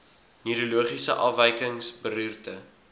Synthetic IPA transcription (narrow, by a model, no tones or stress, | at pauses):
nyɾuluəχisə̰ʔɑvəjkəŋsbəryːrtə